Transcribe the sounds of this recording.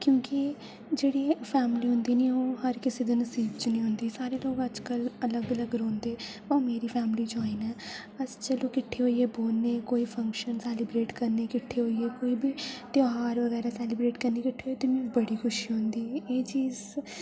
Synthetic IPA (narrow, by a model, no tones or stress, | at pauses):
kjõːkɪ | d͡ʒeːɽiːpʰɛːmliːɦʊ̃nd̪iːniːoːɦəɾkɪseːd̪eːnəsiːbt͡ʃnĩːɦʊnd̪iːsaːɾeːloːɡəd͡ʒkələləɡələɡɾõːnd̪eː | ə̃ːmeːɾiːpʰɛːmliːt͡ʃaːiːnɛː | əst͡ʃəloːkɪʈʰːeːɦoːieːboːlneːkoːiːpʰə̃ŋkʃənsɛːlɪbɾeːʈkəɾneːkɪʈʰːeːɦoːieːkoːiːbʱiːt̪ɪaːɾʋəɣɛːɾaːsɛːlɪbɾeːʈkəɾneːkɪʈʰeːɦoːt̪eːmɛ̃ːbəɽiːxʰʊʃiːɦõnd̪iːeːt͡ʃiːz